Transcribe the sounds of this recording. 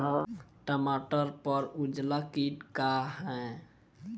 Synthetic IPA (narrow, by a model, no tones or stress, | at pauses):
ʈəmaʈəɾpəɾud͡ʒlakiʈkaɦɛ̃